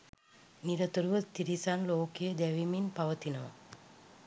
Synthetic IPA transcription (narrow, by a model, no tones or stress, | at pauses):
niɾɐt̪uɾuʋɐt̪iɾisaːnloːkijɐd̪eʋiminpɐʋɐt̪inɐʋɐ̰